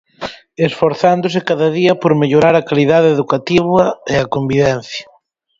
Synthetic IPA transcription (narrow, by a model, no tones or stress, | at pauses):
esfoɾθand̪ʊs̬ekaðɐðiɐpoɾmeʎoɾaɾɐkaliðaðeeðukat̪iβɐeakombiβɛn̟θjɐ